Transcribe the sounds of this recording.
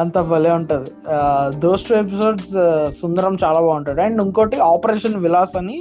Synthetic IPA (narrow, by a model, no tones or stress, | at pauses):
ɐnt̪ɐbɐleːuɳʈund̪id̪oːsʈʰuːep̬iso̞ːɖssund̪ɐɾɐmt͡ʃaːlaːbaːuɳʈɐd̪iɐɳɖuŋkoːʈiaːpɐɾeːʂɐnʋilaːsɐni